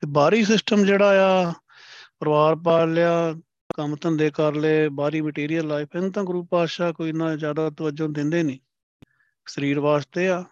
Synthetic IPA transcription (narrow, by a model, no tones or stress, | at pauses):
t̪eːbaːɾiːsɪsʈəmd͡ʒeːɽaːjaː | pəɾəʋaːɾpaːlɪjaː | kəmt̪ənd̪eːkəɾleːbaːɾiːməʈiːɾijəlːaːɪpʰɪnt̪ãːɡɾuːpaːʃaːkoːiːnãːzjaːd̪aːt̪əʋəd͡ʒõːd̪ɪ̃nd̪eːnĩː | səɾiːɾʋaːst̪eːaː